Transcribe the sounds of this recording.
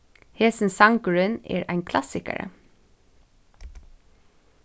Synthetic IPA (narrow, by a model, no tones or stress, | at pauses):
heːsn̩sɑŋɡɹʉnḛːɹʔæɪŋkʰlɑsɪkə̰ɹə̰